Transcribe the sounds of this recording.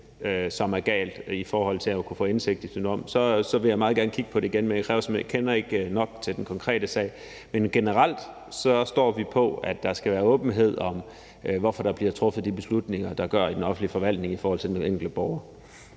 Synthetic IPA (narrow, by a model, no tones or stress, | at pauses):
øsɒ̽mæɐɡ̥ɛ̰ːld̥ifɒːhɒ̽l̰t͡sʰe̝lækʰufɔ̰̽ːense̝ɡ̥̚d̥isynd̥ʁɒ̽msɒ̽sɒ̽ʋe̝jɪmɑ̈ːð̞̩ˠɡæɐnəkʰiɡ̥pʰɒ̽ɾe̝iɡ̥enmenjakʰʁɛːʊsmekʰenɐe̝ɡ̥nɒ̽ɡ̥̚t͡sʰe̝ld̥enkʰɒ̽ŋkʰʁɛ̰ːd̥əsɛ̰ːɪ | menɡ̥e̝nəʁɑl̰d̥ | sɒ̽sd̥ɒ̰ːʋipʰɒ̽æd̥ːɑ̈sɡ̥æʋæːɐɔ̽ːb̥n̩ɦe̝ð̰ˠɒ̽m | ʋɒfɒ̽ɾ̥ɑ̈b̥liɐt͡sʰʁɔ̽fð̩ˠd̥ib̥e̝slud̥ne̝ŋɐd̥ɑ̈ɡ̥ɶɐ̰id̥enɒ̽fn̩lifɒ̽ʋæl̰d̥ne̝ŋifɒːhɒ̽l̰t͡sʰe̝d̥enneŋɡ̥l̩dəb̥ɒʊɐ